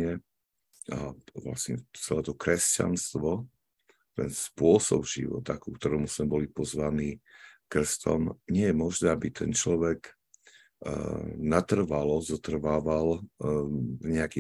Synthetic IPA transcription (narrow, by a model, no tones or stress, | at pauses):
ɛ | a̰ʋla̰sɲɛ̰t͡sɛlɛːt̪ɔkɾɛsca̰nst̪ʋɔ | t̪ɛ̰nspʊɔsɔ̰bʒ̥ḭʋɔ̰t̪akukt̪ɔɾɔmuz̥mɛbɔlipɔzʋaniːkr̩st̪ɔ̰mɲɪɛjɛmɔʒnɛːabit̪ʰɛnt͡ʃlɔʋɛɡ | nat̪r̩ʋalɔzɔt̪r̩ʋaːʋal | ɲɛaki